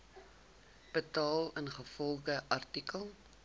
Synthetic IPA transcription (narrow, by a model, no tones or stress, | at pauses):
b̥ətɑːlˠənχəfɔlˠχəʔɐrtikəlˠ